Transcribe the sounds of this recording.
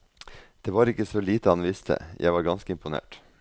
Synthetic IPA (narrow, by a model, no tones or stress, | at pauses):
d̪̥eːʋɑːɾɪkəsoliːt̪əhɑnʋɪst̪ʰə̰jʔæ̰ɪʋɑːɾɡɑnskəɪmpʊnḛːʈ